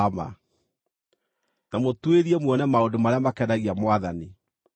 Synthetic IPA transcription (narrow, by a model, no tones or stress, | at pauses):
ma̰ | namotweɾiɛmwɔnɛmaodomaɾeamakɛnaɣiamwaðani